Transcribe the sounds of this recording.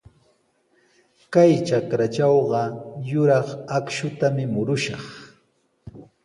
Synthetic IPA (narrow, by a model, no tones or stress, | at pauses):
kajt͡ʃakɾat͡ʃɑwɢɑjʊɾɑχakʃʊt̪amɪmʊɾʊʃɑχ